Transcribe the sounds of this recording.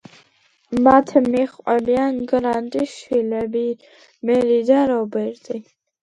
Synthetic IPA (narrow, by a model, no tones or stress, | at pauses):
mat̪ʰmiχʼɛbianɡɾant̪ʼiʃilɛbi | mɛlid̪aɾɔbɛɾt̪ʼi